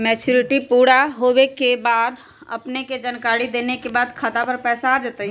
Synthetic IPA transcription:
mɛːt͡ʃuɾɪʈipuːɽaɦowekebaːd̪ | ə̰pneked͡ʒənkaːɾid̪eːnekebaːd̪kʰat̪apəɾpɛːsaːd͡ʒat̪əɦ

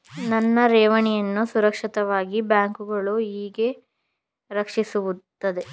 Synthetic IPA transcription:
nɐnːɐɾɛːʋɐɳijɐnːusuɾɐkʂit̪ɐʋaːɡibjaːŋkuɡɐɭuiːɡe̞ | ɾɐkʂisuʋut̪ːɐd̪e̞

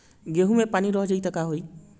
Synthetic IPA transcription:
ɡeɦumepaniɾɔɦd͡ʒəit̪əkaɦoj

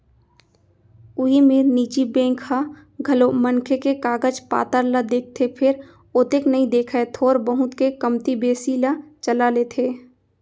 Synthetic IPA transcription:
ʊɦimeːɾniːt͡ʃibẽːŋkha | ɡʱɐlomənkʰekekaːɡəd͡ʒpa̰ːt̪əɾlad̪eːk̚t̪ʰepʰɪɾ | oːt̪eknɐɦĩd̪eːkʰaet̪ʰoːɾbəɦʊ̃t̪kekəmt̪ibeːsilat͡ʃəlaleːt̪ʰeː

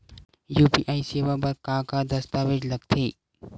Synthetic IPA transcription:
juːpiːʔaːiseːʋabɐɾkãːkad̪ɐst̪aːʋed͡ʒlɐɡt̪ʰeː

